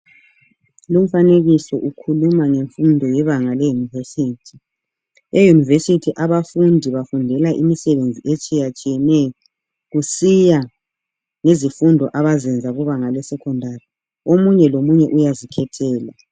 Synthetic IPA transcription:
lum̩faneɣisɔʔukʰulumaŋeɱfundʱɔjɛβaŋalɛjunivesiːtʰi | ejunivesitʰiʔaβafundʱiβafundʱɛlaʔimisɛβend͡zʱiʔet͡ʃʼijat͡ʃʼijɛnɛjɔ | ɣusija | ŋezifundʱɔʔaβazɛnd͡zʱaɣuβaŋalɛsɛkʰɔndʱari | omuɲɛlomuɲɛʔujazikʰɛtʰɛːla

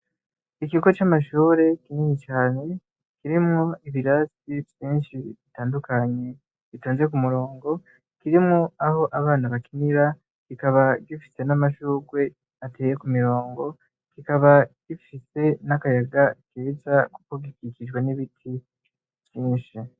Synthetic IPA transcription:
ikiɡo̞t͡ʃamaʃuːɾe̞kiniːɲit͡ʃaːne̞ | kiɾimuiβiɾasivjiːnʃiβitaːndukaɲe̞ | βitoːnzek̬umuɾo̞ːŋɡo̞ | kiɾimuaho̞ʔaβaːnaβakiniɾa | kikaβaɡifi̥se̞namaʃuːɡwe̞ | atʰe̞ːjekumiɾo̞ːŋɡo̞ | kikaβaɡ̥ifise̞nakajaɡakeːzaku̥koɡikiciʒɡwe̞niβitʰi | vjiːnʃi

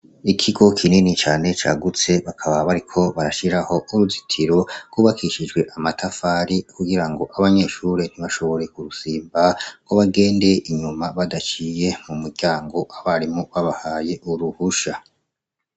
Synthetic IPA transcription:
ikʰiɡo̞kʰininit͡ʃaːne̞t͡ʃaɡut͡se̞βakʰaβaβaɾikʰo̞βaɾaʃiɾaho̞ʔuɾuzitʰiɾo̞ɡ̥uβakʰiʃid͡ʒɡwe̞ʔamatafaɾikuɡiɾaŋɡo̞ʔaβaɲe̞ːʃuːɾe̞n̥iβaʃo̞βo̞ɾe̞kuɾusiːmbakoβaɡe̞ːndeʔiɲumaβadat͡ʃije̞mumuɾɟaːŋɡo̞ʔaβaɾimoβaβahaːje̞ʔuɾuhuʃa

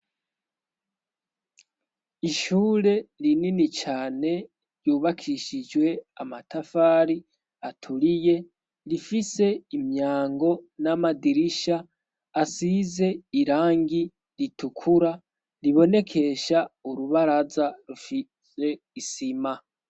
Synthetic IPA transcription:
iʃuːɾe̞ɾininit͡ʃaːne̞ | ɾjuːβakʰiʃid͡ʒwe̞amatafaːɾi | atʰulije̞ | ɾifise̞imɲaːŋɡo̞namadiɾiʃaː | size̞iɾaːŋɡi | ɾitukʰuɾa | ɾiβo̞ne̞kʰe̞ʃauɾuβaɾazaɾufi | se̞ | isima

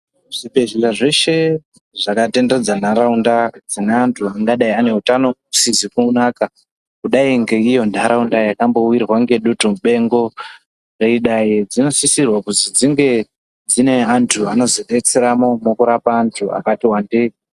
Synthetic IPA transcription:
ʐipe̞ʒilaʐe̞ʃe̞ | ʐakate̞nde̞d͡zan̤aɾaundad͡zineantʰuaŋɡaɗaiane̞utano̞usizikuːnaka | kuɗaiŋɡe̞ijo̞ndʱaɾaundajakambo̞wirwaŋɡe̞ɗutomɓe̞ŋɡo̞ | reiɗajid͡zino̞sisirwakuzid͡ziŋɡe̞ | d͡zine̞antʰuano̞ziɗe̞t͡seɾamo̞mokuɾapaːntʰua̰katiwande

